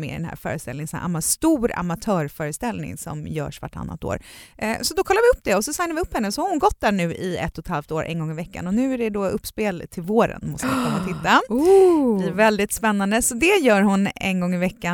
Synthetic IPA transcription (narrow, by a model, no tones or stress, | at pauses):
mḛːd̪ɛnhæ̰ːɾfœ̰ːɾəst̪ɛlnɪŋsn̰ʔa̰mast̪uːɾa̰mat̪ʰœːɾfœːɾəst̪ɛlnɪ̰ŋsɔ̰mjœ̰ːʂva̰ʈʰːa̰nːa̰t̪o̰ːɾsɔd̪ɔkʰɔlːaɾvɪɵpːd̪ɛɔsɔsajnaɾvɪɵpːhɛnːəsɔhaɾhʊnɡɔt̪̚d̪æːɳʉ̟ːʔɪɛ̰t̪ʰːɔt̪halft̪oːɾʔɛ̰nɡɔŋːɪvɛkːa̰nɔnʉ̟ːæɖɛd̪ɔɵpːspeːlt̪ʰɪlvoːɾə̰nmɔst̪əvɪkʰɵnːat̪ʰɪt̪ːa | blɪvɛld̪ɪt̪spɛnːand̪əsɔd̪ɛjœːɾɦʊnɛ̰nɡɔŋːɪvɛkːa